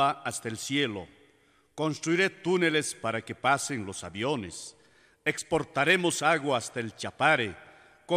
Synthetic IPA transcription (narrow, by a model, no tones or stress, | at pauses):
aast̪aelsjelo̰ | konst̪ɾuiɾet̪une̞lespaɾakepasenlo̞saβjones | ekspo̞ɾt̪aɾemosaɣwaast̪aelt͡ʃapaɾe | ko